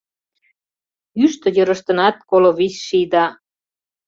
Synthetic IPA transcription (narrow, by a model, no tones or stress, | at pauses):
yʃt̪ə̆jəɾəʃt̪ə̆nɑt̪̚koloβisʃijd̪ɑ